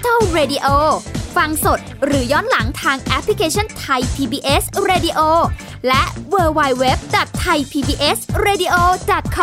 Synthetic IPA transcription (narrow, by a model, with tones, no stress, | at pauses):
t̪ʰa˥˩wɾeː˧di˧ʔoː˧fa˧ŋso˨˩t̪̚ɾɯː˩˦jɔː˦˥˩nla˩˦ŋt̪ʰaː˧ŋʔɛ˦˥pʰli˦˧kʰeː˧t͡ɕʰɔ˥˩nt̪ʰa˧jpʰiː˧biː˧ʔe˦˥sɾeː˧di˧ʔoː˧ | lɛ˦˥ʔwɤː˧wa˧jwe˦˥p̚dɔ˨˩t̪ʰːa˧jpʰiː˧biː˧ʔe˦˥sɾeː˧di˧ʔoː˧dɔ˨˩t̪̚kʰ